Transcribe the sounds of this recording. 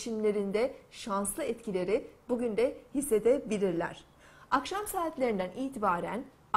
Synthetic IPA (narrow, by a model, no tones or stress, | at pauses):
ʃimlʲe̞ɾind̪ɛʃanslˠɯɛt̪cilʲe̞ɾibuɟynd̪ɛhisːe̞d̪ɛbilʲiɾlʲæ̰ɾ̥ | akʃamsaːt̪lʲe̞ɾind̪ænʔiːt̪ʰibaːɾæ̰n